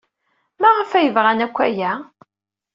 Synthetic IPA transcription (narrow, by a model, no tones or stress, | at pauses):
mæʁəfæjəvʁanækʷːæjæ